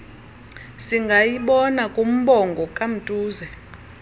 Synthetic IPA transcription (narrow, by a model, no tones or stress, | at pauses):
siŋɡʱajiɓɔnakʼum̩ɓɔŋɡʱɔkʼam̩tʼuːzɛ